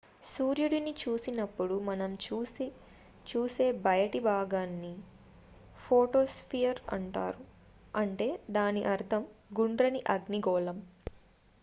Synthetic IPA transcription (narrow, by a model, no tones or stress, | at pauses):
suːɾjuɽinit͡ʃuːsinɐpːuɽumɐnɐmt͡ʃː | t͡ʃuːse̞ːbɐjɐʈibʱaːɡaːnːi | pʰoːʈo̞ːspʰijɐɾɐ̰ɳʈa̰ːɾu | ɐɳʈe̞ːd̪aːniʔɐɾt̪ʰɐmɡuɳɖɾɐniʔɐɡniɡɔːlɐm